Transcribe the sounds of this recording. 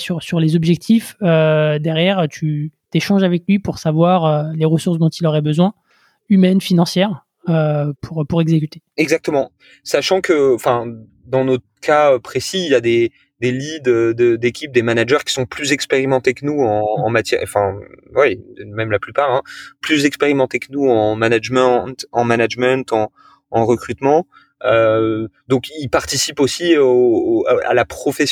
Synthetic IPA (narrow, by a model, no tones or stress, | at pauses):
syʁsyʁlezɔbʒɛk̚t̪ʰifød̪ɛʁjɛʁøt̪ʰyt̪eʃɑ̃ʒavɛklɥipuʁsavwaʁøleʁəsuʁsd̪ɔ̃t̪ilɔʁɛbəzwɛ̃ | ymɛnfinɑ̃sjɛʁ | øpʰuʁpuʁɛɡzekʲyt̪e̥ɛɡzak̚t̪əmɑ̃ | saʃɑ̃kəɑ̃fɛ̃ | d̪ɑ̃nɔt̪ | kʰaøpχesiːljad̪e | d̪elid̪ød̪əd̪ekʲip̚d̪emanaʒœʁkʲi̥sɔ̃plyzɛkspeʁimɑ̃t̪ekənuɑ̃ːmat̪jɛʁɑ̃fɛ̃wɛmɛmlaplypaʁɛ̃plyzɛkspeʁimɑ̃t̪ekənuɑ̃manaʒmɑ̃t̪ɑ̃manaʒmɛ̃t̪ɑ̃ | ɑ̃ʁəkχyt̪mɑ̃ | ød̪ɔ̃kilpaʁt̪isiposi | a̰lapχɔfɛs